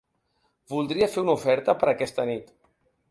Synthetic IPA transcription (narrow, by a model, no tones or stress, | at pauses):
bulˠd̪ɾiəfeunufɛɾt̪əpəɾəkɛst̪ənit̪